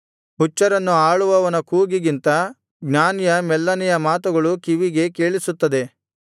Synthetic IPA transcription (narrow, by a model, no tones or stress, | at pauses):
ut͡ʃːɐɾɐnːuaːɭuʋɐʋɐnɐkuːɡiɡint̪ɐ | ɡnaːnijɐmɛlːɐnijɐmaːt̪uɡɐɭukiʋiɡe̞keːɭisut̪ːɐd̪e̞